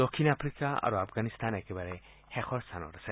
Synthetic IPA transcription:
dɔkʰinapʰɾikaa̰ɹuapʰɡanist̪ʰanɛkɛbaɹɛ | hɛxʰɔɹsʰanɔ̰ɾasʰɛ

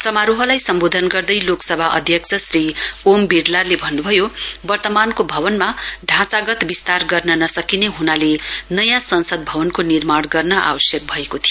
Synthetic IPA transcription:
sʌmaɾuɦʌlajsʌmbod̪ʱʌnɡʌrd̪ʌjloksʌbʱaʔʌ̰d̪ʱjʌkt͡sʰʌsriombiɖlarlebʱʌnːubʱʌjobʌrt̪ʌmankobʱʌβʌnmaɖʱãt͡saɡʌt̪bist̪arɡʌrnʌnʌsʌkineɦunalenʌjãsʌnsʌd̪̚bʱʌbʌnkonirmaɽɡʌrnʌʔa̰bʌsjʌk̚bʱʌekot̪ʰijo

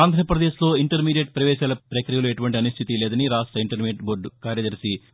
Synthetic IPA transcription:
aːnd̪ʱɾɐpɾɐd̪eːʃlo̞ːiɳʈɐɾmiːɖijeʈ̚pɾɐʋɛːʃaːlɐpɾɐkɾijɐlue̞ʈuʋɐɳʈiɐniʃt̪ʰit̪ilɛːd̪ɐniɾaːʂʈɾɐiɳʈɐɾmeːʈboːɾɖkaːɾjɐd̪ɐɾisi

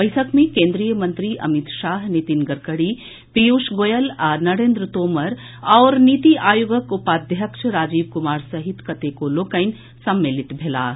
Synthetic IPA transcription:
bɐjtʰəkmẽkẽːnd̪ɾijəmɐ̃nt̪ɾiʔɐ̰mɪt̪ʃaːɦnit̪inɡɐɾkəɽi | pijuːʃɡoːjəlaːnɐɾẽːnd̪ɾət̪oːməɾ | ɔːɾniːt̪iʔaːjuɡəkʊpaːd̪ʱjəkʃɾaːd͡ʒiːbkʊmaːɾsɐɦɪt̪kɐt̪ekoloːkəɪn | sɐmːeːlɪt̪bʱela̰ː

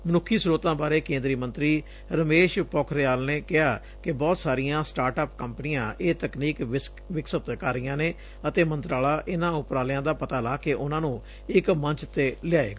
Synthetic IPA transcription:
mənʊkʰːiːsɾoːt̪ãːbaːɾeːkẽːnd̪ɾiːmə̃nt̪ɾiː | ɾəmeːʃpɔːkʰɾɪjaːlneːkɪɦaː | kɪbɔːt̪saːɾɪjãːsʈaːɾʈaːp̚kəmpnijãːʔeːt̪əkniːk | ʋɪksət̪kəɾɪjãːneː | ət̪eːmə̃nt̪ɾaːlaːʔɪnãːʊpɾaːljãːd̪aːpət̪aːlaːkeːʔʊnãːnũː | ɪkməɲt͡ʃt̪eːlɪaːḛːɡaː

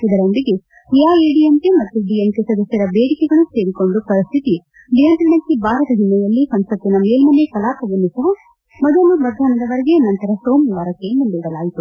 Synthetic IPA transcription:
id̪ɐɾond̪iɡe | jaːeɖiemkemɐt̪ːuɖijemkesɐd̪ɐsjɐɾɐbeːɽikɛɡɐɭuse̞ːɾiko̞ɳɖupɐɾist̪ʰit̪i | ɖijɐnt̪ɾɐɳɐkːebaːɾɐt̪ɐd̪inɛjɐlːisɐnsɐt̪ːinɐmeːlmɐnekɐlaːk̪ɐʋɐnːusɐɦɐ | mɐd̪ɐnuʋɐɾd̪ʱaːnɐd̪ɐʋɐɾeɡe̞nɐnt̪ɐɾɐsoːmʋaːɾɐkːenunb̪iːɽɐlaːjit̪u

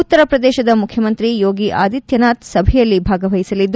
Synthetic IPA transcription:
ut̪ːɐɾɐpɾɐd̪ɛːʃɐd̪ɐmukʰjɐmɐnt̪ɾijoːɡiʔaːd̪it̪jɐnaːt̪sɐbʱɛjɐlːibʱaːɡɐʋɐjisɐlid̪ː

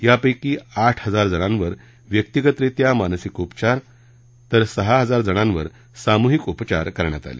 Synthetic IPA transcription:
japəjkiːaʈʰhəd͡zaɾd͡zəɽ̃ãnʋəɾ | ʋjək̚t̪iɡət̪ɾet̪jamansikupt͡ɕaɾ | t̪əɾsəɦaɦəd͡zaɾd͡zəɽ̃ãnʋəɾ | samuɦikupt͡ɕa̰ɾkəɾɳjat̪a̰lḭ

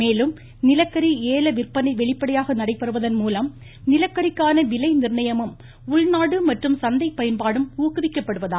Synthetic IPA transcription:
meːlɯm | nɪlɐkːɐɾieːlɐʋɪrpɐnɐɪʋɛɭɪpːɐɽɐjaːɣɐnɐɽɐɪpːɐɾɯʋɐðɐnmuːlɐm | nɪlɐkːɐɾɪkːaːnɐʋɪlɐɪnɪrɳɐjɐmɯm | ʊɭnaːɽɯmɐʈrɯmsɐnd̪ɐɪpːɐjɐnpaːɽɯmuːkɯʋɪkːɐpːɐɽɯʋɐðaː

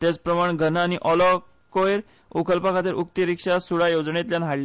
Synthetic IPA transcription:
t̪jat͡spɾəmaɳ̃ɡʱənañiʔɔlɔ | kojɾ | ukəlpakʰat̪iɾʔuk̚t̪iɾikʂasuɽajod͡zɳet̪ljanɦaɽle

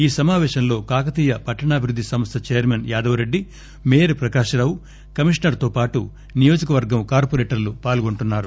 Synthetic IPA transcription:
iːsɐmaːʋɛːʃɐmlo̞ːkaːkɐt̪iːjɐpɐʈːɐɳaːbʱiɾud̪ːisɐmst̪ʰɐt͡ʃeːjɐɾmenjaːd̪ɐʋɐɾeɖːi | meːɾupɾɐkaːʂɐɾaːwu | kɐmiʂɳɐɾt̪oːpaːʈu | nijo̞ːd͡ʒɐkɐʋɐɾɡɐmkaːɾpoɾeːʈɐɾlupaːlɡo̞ɳʈunːaːɾu

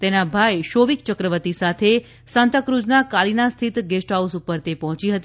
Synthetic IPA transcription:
t̪enabʱajʃoʋikt͡ʃəkɾəʋət̪isat̪ʰe | sə̃nt̪əkɾud͡ʒnakalinast̪ʰit̪ɡesʈɦausupəɾt̪epɔɦɔ̃t͡ʃiɦət̪i

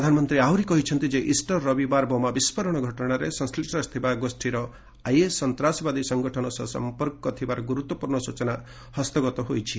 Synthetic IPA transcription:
ɾd̪ʱanmɔnt̪ɾiawɾikɔɦit͡ʃʰʌnt̪id͡ʒeʔisʈɔɾːʌbibaɾbomabispɔɾɔɽ̃ɔɡʱɔʈɔɽ̃aɾesʌ̃sklisʈɔst̪ʰibaɡosʈʰiɾɔ | ajesːʌnt̪ɾasɔbad̪isʌŋɡɔʈʰɔnɔsɔsʌ̰mpɔɾkɔt̪ʰibaɾɔɡuɾut̪wɔpuɾɳɔsut͡ʃɔna | hʌst̪ɔɡɔt̪ɔɦojt͡ʃʰi

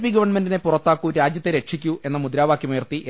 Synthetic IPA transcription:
piɡɐʋɐɳmendine̞purɐt̪ːaːkːuɾaːd͡ʑjɐt̪ːe̞ɾe̞kʂikʲːue̞nːɐmud̪ɾaːʋaːkːjɐmujɐrt̪iʔ

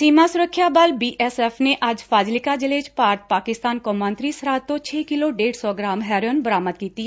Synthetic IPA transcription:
siːmasʊɾəkʰːjabalbiːʔɛsɛːfneʔɐd͡ʒfʰaːd͡ʒlɪkad͡ʒɪleːd͡ʒpaːɾt̪̚paːkɪst̪aːnkõːmə̃nt̪ɾisɾaːt̪ːõt͡ʃʰeːkɪloɖeːɽsɔɡɾaːmɦɛːɾjənbəɾaːməd̪̚kiːt̪i

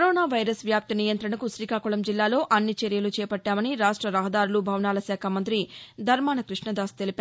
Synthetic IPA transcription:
kɾoːnaːʋɐjɾɐsʋjaːp̚t̪inijɐnt̪ɾɐɳɐkuʃɾiːkaːkuɭɐmd͡ʒilːaːlo̞ːʔɐnːit͡ʃeɾijɐlut͡ʃɛːpɐʈːaːmɐniɾaːʂʈɾɐɾɐɦɐd̪aːɾulubʱɐwnaːlɐsaːkʰɐmɐnt̪ɾid̪ʱɐɾmaːnɐkɾiʂɳɐd̪aːst̪elipaːɾ

